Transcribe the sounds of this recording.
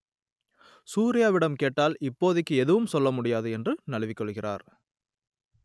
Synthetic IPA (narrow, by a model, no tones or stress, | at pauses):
suːɾɪjaːʋɪɽɐmkeːʈːaːlɪpːoːðɪkːɯɛðɯʋɯmsɔlːɐmʊɽɪjaːðɯɛndrɯnɐlɐʋɪkːɔɭɣɪrʔa̰ːɾ